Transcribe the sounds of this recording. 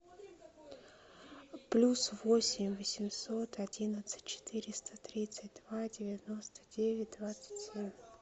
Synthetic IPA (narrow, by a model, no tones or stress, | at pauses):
plʲusvo̞sʲɪmʲvəsʲɪmso̞t̪ʰɐdʲinət̪sɨ̥tʲt͡ɕːɪ̥t̪ɨɾʲɪst̪ət̪ɾʲit̪sɨt̚ʲd̪vadʲɪvʲɪno̞st̪ə̥dʲevʲɪt̚ʲd̪vat̪sɨ̥tʲsʲemʲ